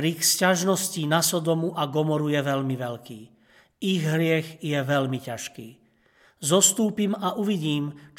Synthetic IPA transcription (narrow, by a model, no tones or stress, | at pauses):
ɾikscaʒnɔscinasɔd̪ɔmuʔaɡɔmɔɾujɛʋɛʎmiʋɛʎkiː | iɣɦɾɪɛɣjɛʋɛlmicaʃkiː | zɔst̪uːpimaʔuʋiɟiːmt͡ʃ